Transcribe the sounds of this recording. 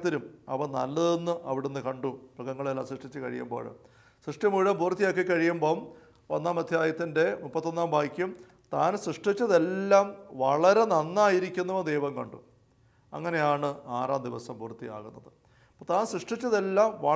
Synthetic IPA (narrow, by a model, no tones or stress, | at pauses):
t̪ːɐɾumɐ̰ʋɐɳnɐ̰lːɐðenːɨʔɐʋiɽunːɨkɐɳɖubʱɨɣɐŋːɐɭelːaːmsrɨʂʈit͡ɕːɨkɐ̰ɻijṵmboːɻɨ̰ | sɾɨʂʈjɐmuɻɐmbuːrt̪ːijaːk̬ːikʲːɐɻijumboːm | onːaːmɐd̪ʱjaːjɐt̪ːinde̞mupːɐt̪ːonːaːmbʱaːɡikʲːum | t̪aːnsrɨʂʈit͡ɕːɐðe̞lːaːmʋɐɭɐɾe̞nɐnːaːjiɾikʲːunːɐʋɐd̪ejʋɐmkɐɳɖu | ɐ̰ŋːɐne̞jaːɳɨaːraːmd̪iʋɐsɐmbuːrt̪ːija̰ːɣunːɐðɨ | poːt̪aːnsrɨʂʈit͡ɕːɐðe̞lːaːmʋɐ